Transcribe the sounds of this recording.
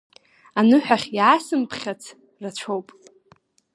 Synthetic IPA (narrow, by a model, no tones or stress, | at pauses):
anɨħʷᶣaχʲjʕasɨmpʰχʲat͡sʰ | rat͡ɕʷʰowpʼ